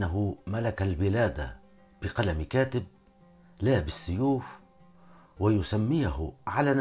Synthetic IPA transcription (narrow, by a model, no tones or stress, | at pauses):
aɦʊmalakalbɪlaːd̪a̰ | b̥ɪqɑlamkaːt̪ɪb̚ | laːbɪsːʊjuːf | wajʊsamːɪjhʊʕalaːn